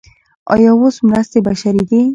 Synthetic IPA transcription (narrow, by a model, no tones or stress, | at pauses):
ɒ̰jɔwosmɾast̪ebaʃaɾid̪e